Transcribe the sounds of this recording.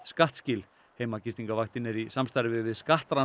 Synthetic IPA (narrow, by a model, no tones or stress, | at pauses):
skaht̪scɪl | heːjmacist̪iŋkavaxt̪ɪnːɪɾisamst̪aɾvɪðvɪðskaht̪ɾa